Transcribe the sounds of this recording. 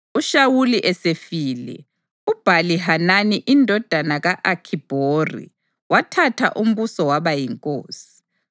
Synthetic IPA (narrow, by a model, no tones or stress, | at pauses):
uʃawuliʔɛsefiːlɛ̰ | ub̥ʱaliɦananiʔindʱɔd̥ʱanaɣaʔakʰib̥ʱoːrḭ | watʰatʰa̰ʔum̩βusɔwaβajiŋkʼoːsi̥